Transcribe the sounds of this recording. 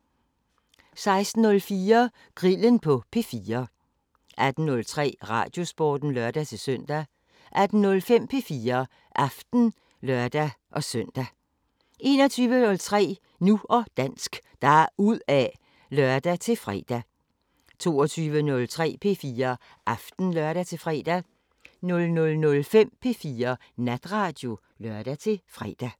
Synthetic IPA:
sɑ̈ɪsd̥n̩ːɔ̽lfiːɐ | ɡ̥ʁilənpʰɒ̽pʰe̝fiːɐ | ʔæd̥n̩nɔ̽lt͡sʰʁɛ̰ːʁɑ̰̈ːd̥jo̝sb̥ɒ̰ːd̥n̩lœɐd̥æt͡sʰe̝søn̰d̥æ | ʔæd̥n̩nɔ̽lfem̰pʰe̝fiːɐ | ʔɑfd̥n̩ | lɶɐd̥æ | ʔɒ̽sœn̰d̥æ | e̝ːnɒt͡sʰyːʋənɔ̽lt͡sʰʁɛ̰ː | nuɒ̽d̥æn̰sɡ̥d̥ɑ̈uð̰ˠæ | lœɐd̥æt͡sʰe̝lfʁɛ̰ːd̥æ | t͡sʰo̝ːɒt͡sʰyːʋənɔ̽lt͡sʰʁɛ̰ːpʰe̝fiːɐ | ʔɑfd̥n̩lœɐɾ̥æt͡sʰe̝fʁɛ̰d̥æ | nɔ̽lnɔ̽lnɔ̽lfem̰pʰe̝fiːɐ | næd̥ʁɑ̈d̥jo̝ | lœɐ̰d̥æt͡sʰe̝fʁɛ̰ːd̥æ

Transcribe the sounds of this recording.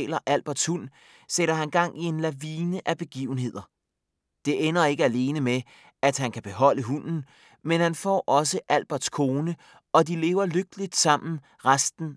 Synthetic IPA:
lɐʔæl̰b̥ɐd̥shun̰ | seɾ̥ɐɦænɡ̥ɑ̈ŋ̰ie̝nlæʋiːnəʔæb̥e̝ɡ̥ḭːʊn̩ɦe̝ð̰ˠɐ | d̥e̝ʔenɐe̝ɡ̥əæle̝ːnəme | æd̥ɦænkʰæb̥e̝ɦɒ̽l̰əɦun̰n̩ | menhænfɒ̰ʔɒ̽s̬əʔæl̰b̥ɐd̥skʰo̝ːnə | ɒ̽dile̝̰ːʊɐløɡ̥̚d̥əlid̥sɑ̈m̰n̩ | ʁasd̥n̩

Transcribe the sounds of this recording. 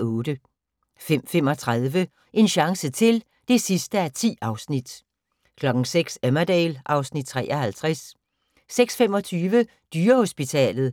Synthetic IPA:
ɔ̽ːd̥ə | fem̰fem̰ɒ̽t͡sʰʁaðˠʋə | ʔe̝nɕɑ̈ŋsət͡sʰe̝l | d̥e̝sisd̥əæɐt͡sʰḭːɑ̈ʊsnid̥ | kʰlɒ̽ɡ̥ŋ̩seɡ̥sæmæd̥ɛːlʔɑ̈ʊsnid̥̚t͡sʰʁɛ̰ːʔɐhælt͡sʰʁas | seɡ̥sfemɒ̽t͡sʰyːʋə | d̥yːɐho̝sb̥it͡sʰɛ̰ːlð̩ˠ

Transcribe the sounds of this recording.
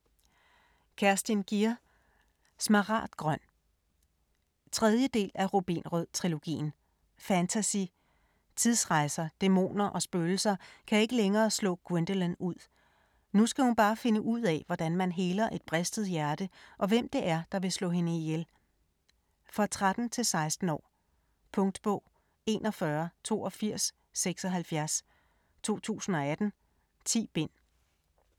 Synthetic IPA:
kʰæɐsd̥inɡ̥iɐ | smɑʁɑ̰̈ːd̥ɡ̥ʁɶn̰ | t͡sʰʁɛð̞ˠjəd̥e̝̰ːlʔæʁo̝b̥ḭːnʁœð̰ˠt͡sʰʁilo̝ɡ̥ḭːn̩ | fænt͡sʰæsi | t͡sʰiðˠsʁɑ̈ɪsɐd̥e̝mo̝̰ːnɐʔɒ̽sb̥øːl̩sɐkʰæe̝ɡ̥əleŋɐːslɔ̰̽ːɡ̥we̝nd̥ələnuð̰ˠ | nusɡ̥æhunb̥ɑ̈ːfe̝nəʔuð̞̰ˠɛ̰ʋɒd̥ænmænɦe̝ːlɐʔe̝d̥b̥ʁɛsd̥ð̩ˠjæɐd̥əʔɒ̽ʋem̰d̥e̝ʔæɐd̥ɑ̈ʋe̝slɔ̰ːɦe̝nəijel | fʁɑ̈t͡sʰʁad̥n̩t͡sʰe̝lsɑ̈ɪsd̥n̩ɒ̰ː | pʰɔ̽ŋd̥b̥ɔ̽ʊ̰ | e̝̰nʔɒ̽fɶːɐt͡sʰo̝̰ːɒ̽fiɐ̰sː | eɡ̥sɒ̽ɦælfjæɐs | t͡sʰo̝̰ːt͡sʰṵːsn̩ɒ̽æd̥n̩ | t͡sʰḭːb̥e̝n̰

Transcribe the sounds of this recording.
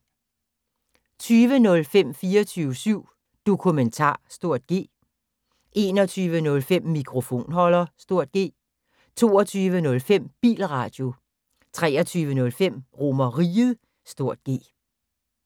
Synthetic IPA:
t͡sʰyːʋənɔ̽lfem̰fiːɐt͡sʰyːʊəsyʊ̰ | d̥o̝kʰument͡sʰɑ̰̈ːsd̥o̝ɐ̰d̥̚ɡ̥e̝̰ː | ʔe̝ːnɒt͡sʰyːʋənɔ̽lfem̰ːikʰʁo̝fo̝̰ːnɦɒ̽lɐsd̥o̝ɐ̰d̥̚ɡ̥e̝̰ː | t͡sʰo̝̰ːɒt͡sʰyːʋənɔ̽lfem̰b̥ḭːlʁɑ̈d̥jo̝ | t͡sʰʁɛːɐt͡sʰyːʋənɔ̽lfem̰ʁo̝mɐʁiːð̩ˠ | sd̥o̝ɐ̰d̥ɡ̥e̝̰ː

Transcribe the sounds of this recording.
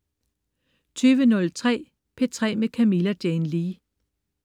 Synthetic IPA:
t͡sʰyːʋənɔ̽lt͡sʰʁɛ̰ː | pʰe̝t͡sʰʁɛ̰ːmekʰæmilæd̥jɛnliː

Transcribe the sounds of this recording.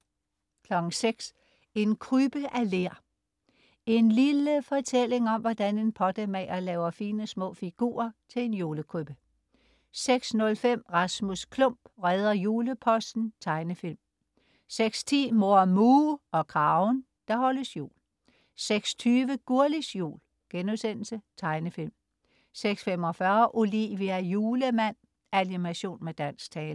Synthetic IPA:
kʰlɒ̽ɡ̥ŋ̩seɡ̥s | e̝nkʰʁyb̥əʔæle̝ɐ̰ | e̝nliləfɒ̽t͡sʰel̰e̝ŋɒ̽mʋɒd̥æne̝npʰɒ̽d̥əmɛːɐlɛːʊɐfiːnəsmɔ̰̽ːfiɡ̥ṵːɐt͡sʰe̝le̝njuːləkʰʁyb̥ə | seɡ̥snɔ̽lfem̰ʁɑ̈smuskʰlɔ̽m̰b̥ʁɛð̞ˠɐjuːləpʰɒ̽sd̥n̩t͡sʰɑ̈ɪnəfilm | seɡ̥st͡sʰḭːmo̝ɐmuːɒ̽kʰʁɑ̈ʊn | d̥ɑ̈hɒ̽ləsjṵːl | seɡ̥st͡sʰyːʋəɡ̥uɐlisjṵːl | ɡ̥enuðˠsen̰l̩sət͡sʰɑ̈ɪnəfilm | seɡ̥sfem̰ɒ̽fɶɐʔoliʋiæjuːləmæn̰ | ænimæɕo̝̰ːnmed̥æn̰st͡sʰɛːl

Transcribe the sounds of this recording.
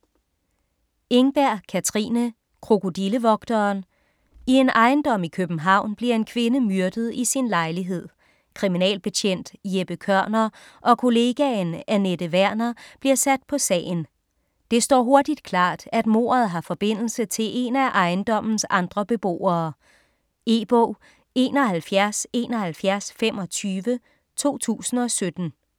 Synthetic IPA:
e̝ŋb̥æɐ̰kʰæt͡sʰʁḭːnə | kʰʁoko̝d̥iləʋɒ̽ɡ̥d̥ɐːn | ie̝nʔɑ̈ɪnd̥ɒ̽m̰ikʰøb̥n̩ɦɑ̈ʊ̰nb̥liɐe̝nkʰʋe̝nəmyɐd̥ð̩ˠisinlɑ̈ɪliɦe̝ð̞̰ˠ | kʰʁiminɛ̰ːlb̥e̝t͡ɕʰen̰d̥jeb̥əkʰɶɐ̰nɐ | ʔɒ̽kʰo̝le̝ɡ̥ænæned̥əʋæɐ̰nɐb̥liɐsæd̥̚pʰɒ̽sɛ̰ːn̩ | d̥e̝sd̥ɒ̰ːɦo̝ɐd̥id̥kʰlɑ̰̈ːd̥æd̥mo̝̰ːɐð̞̩ˠɦɑ̈fɒ̽b̥e̝n̰l̩sət͡sʰe̝lʔe̝næʔɑ̈ɪnd̥ɒ̽m̰n̩sɑ̈nd̥ʁɐb̥e̝b̥o̝̰ːɐː | e̝b̥ɔː | e̝ːnɒ̽ɦælfjæɐse̝̰ːnɒ̽hælfjæɐsfem̰ɒ̽t͡sʰyːʋə | t͡sʰo̝̰ːt͡sʰṵːsn̩ɒ̽sød̥n̩

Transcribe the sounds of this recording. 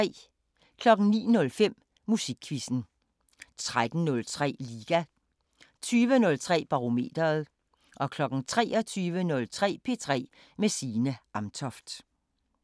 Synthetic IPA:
ɛ̰ː | kʰlɒ̽ɡ̥n̩nḭːnɔ̽lfem̰ | musiɡ̥kʰʋisn̩ | t͡sʰʁad̥n̩nɔ̽lt͡sʰʁɛ̰ːliːɡ̥æ | t͡sʰyːʋənɔ̽lt͡sʰʁɛ̰ːb̥ɑ̈ʁo̝me̝̰ːd̥ɐð̩ˠ | ʔɒ̽kʰlɒ̽ɡ̥n̩t͡sʰʁɛ̰ːɒ̽t͡sʰyːʋənɔ̽lt͡sʰʁɛ̰ːpʰe̝t͡sʰʁɛ̰ː | mesiːnəɑ̈mt͡sʰɒfd̥

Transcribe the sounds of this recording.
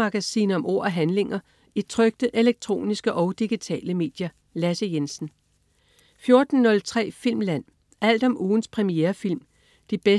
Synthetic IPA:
ɑ̈ɡ̥æsḭːnɒ̽mʔo̝̰ɐ̰ɒɦænle̝ŋɐ | it͡sʰʁœɡ̥̚d̥əʔe̝leɡ̥̚t͡sʰʁo̝̰ːnisɡ̥əʔɒ̽ʊd̥iɡ̥it͡sʰɛ̰ːləme̝̰ːd̥jɐ | læsəjensn̩ | fjo̝ɐd̥n̩ːɔ̽lt͡sʰʁɛ̰ːfil̰mlæn̰ | ʔæl̰d̥ɒ̽mʔuːn̩spʰʁɛmieːɐfil̰m | d̥ib̥e

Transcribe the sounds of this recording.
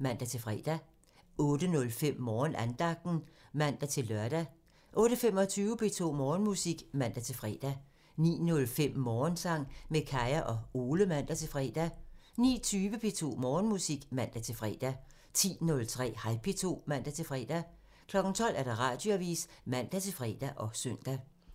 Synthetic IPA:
mæn̰d̥æt͡sʰe̝lfʁɛ̰ːd̥æ | ɔ̽ːd̥ənɔ̽lfem̰mɒːnænd̥ɑ̈ɡ̥̚d̥n̩mæn̰d̥æt͡sʰe̝lːɶɐd̥æ | ʔɔ̽ːɾ̥əfem̰ɒ̽t͡sʰyːʊəpʰe̝t͡sʰo̝̰ːmɒːnmusiɡ̥mæn̰d̥æt͡sʰe̝lfʁɛ̰ːd̥æ | nḭːnɔ̽lfem̰mɒːnsɑ̈ŋ̰mekʰɑɪɐʔɒ̽o̝ːləmæn̰d̥æt͡sʰe̝lfʁɛ̰ːd̥æ | nḭːt͡sʰyːʋəpʰe̝t͡sʰo̝̰ːmɒːnmusiɡ̥mæn̰d̥æt͡sʰe̝fʁɛ̰ːd̥æ | t͡sʰḭːnɔ̽lt͡sʰʁɛ̰ːhɑ̈ɪpʰe̝t͡sʰo̝̰ːmæn̰d̥æt͡sʰe̝lfʁɛ̰ːd̥æ | kʰlɒ̽ɡ̥n̩t͡sʰɒ̽l̰ʔæɐd̥ɑ̈ʁɑ̰̈d̥joæʋḭːsmæn̰d̥æt͡sʰe̝lfʁɛ̰ːd̥æʔɒ̽søn̰d̥æ

